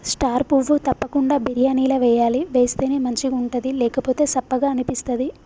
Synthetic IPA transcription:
sʈaːɾpuʋut̪ɐpːɐkuɳɖaːbiɾjaːniːlɐʋɛːjaːliʋe̞ːst̪e̞ːneːmɐɲt͡ʃiuɳʈɐd̪ilɛːkɐpo̞ːt̪e̞ːsɐpːɐɡaːɐnipist̪ɐd̪i

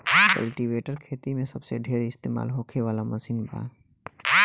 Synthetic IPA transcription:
kə̰lʈiʋeːʈəɾkʰeːt̪imẽsɐbseɖʱeːɾɪst̪eːma̰ːlɦoːkʰeʋaːlamɐsiːnbʱa̰ː

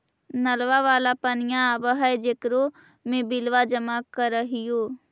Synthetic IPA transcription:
nəlʋaʋaːlapənɪjãbəɦəed͡ʒeːkɾo | mẽbɪlʋad͡ʒəmakəɾəɦɪjoː

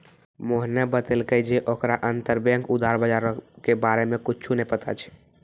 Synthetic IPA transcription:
moɦnebət̪elkəjd͡ʒeʔokɾaʔənt̪əɾbə̃ŋkud̪ʱaɾbəd͡ʒaɾkebaɾemekut͡ʃʰunɛpət̪a̰t͡ʃʰɛ̥

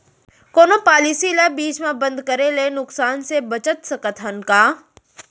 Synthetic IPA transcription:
koːnopaːlisilabiːt͡ʃmẽbə̃nd̪kəɾelenʊksaːnsebɐt͡ʃət̪sɐkət̪ɦɐnkaː

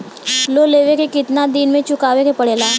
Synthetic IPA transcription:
loːleːʋekekɪt̪nad̪ɪnmẽt͡ʃʊkaːʋekepɐɽeːlaː

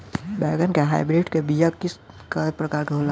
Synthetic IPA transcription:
bɛɡənkeɦajbɾeɖkebijakis | kapɾəkaɾkeɦola

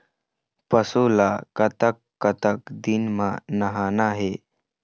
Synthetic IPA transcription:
pəsuːlaːkət̪əkːət̪əkd̪inmã̰ːnəɦaːnaːɦeː

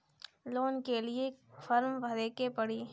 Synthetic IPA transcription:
loːnkeliefɐɾmbʱɐɾeːkepɐɽiː

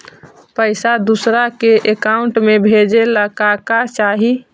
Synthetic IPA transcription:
pəɪsad̪usɾakeʔekaʊɳʈmebʱed͡ʒeləkakat͡ʃaːɦi

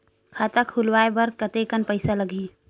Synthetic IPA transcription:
kʰaːt̪akʰulwaːebəɾkət̪ekənpəɪsaləɡiː

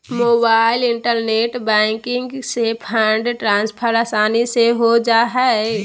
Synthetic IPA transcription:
moːbaːɪlɪɳʈəɾneːʈbɛ̃ŋkɪŋɡsepʰə̃ɳɖʈɾãːnspʰəɾaːsaːniseɦod͡ʒaːɦɛ

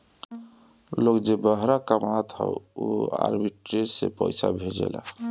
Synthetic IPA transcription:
lokd͡ʒebəɦɾakəmat̪ɦə̰ʊoa̰ɾbiʈɾeɾsḛpəɪsabʱed͡ʒḛla

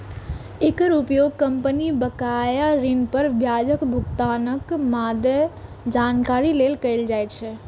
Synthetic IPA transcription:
ekəɾupjoɡ̚kəmpənibəkajaɾinpəɾbʱjad͡ʒəkbʱukt̪anəkmad̪ə | d͡ʒankaɾilelkəɪld͡ʒajt̪t͡ʃʰɛ

